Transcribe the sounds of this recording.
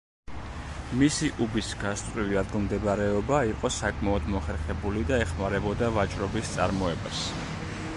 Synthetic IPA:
misiʔubisɡast̪ʼɾiviad̪ɡmd̪ɛbɾɛɔbaiqʼɔsakʼmaɔd̪mɔχɛɾχɛbulid̪aɛχmaɾɛbɔd̪avat͡ʃʼɾɔbist̪sʼa̰ɾmɔɛbas

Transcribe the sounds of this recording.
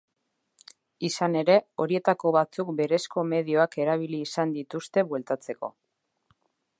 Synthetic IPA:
isane̞ɾe̞o̞ɾie̞t̪ako̞βat͡suk̚be̞ɾe̞sko̞me̞ð̞io̞ake̞ɾaβ̞iliːsand̪it̪ust̪e̞βwe̞lt̪at͡se̞ko̞̰

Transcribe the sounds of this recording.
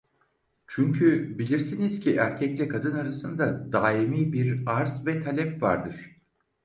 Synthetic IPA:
t͡ʃʰyɲcʰybilʲiɾsinizcʰiʔæɾcʰɛclʲɛkʰad̪ɯnaɾasɯnd̪ad̪aːimiːbiɾaɾzvɛt̪ʰalʲɛpva̰ɾd̪ɯɾ̝̥

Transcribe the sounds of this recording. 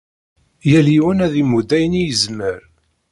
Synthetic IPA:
jæliwənæðimud̪æjnijəzməɾ

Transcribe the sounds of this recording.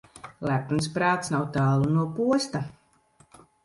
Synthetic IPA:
læpunspɾaːt̪snawt̪aːlˠunuɔpuɔst̪a

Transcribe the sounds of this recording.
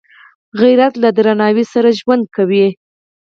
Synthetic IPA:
ɣiɾat̪lad̪ɾanɑwisaɾaʒwand̪̚kawi

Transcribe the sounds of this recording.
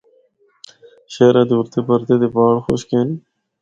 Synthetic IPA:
ɕeːɾãːd̪uɾt̪ebɐɾt̪ed̪ebaːɽxo̰ɕkeːni

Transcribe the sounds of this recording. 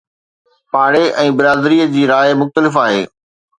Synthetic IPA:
paːɽeʔɛ̃ːbɪɾaːd̪ɾiːəd͡ʑiːɾaːɪmʊxt̪əlɪfaːɦeː

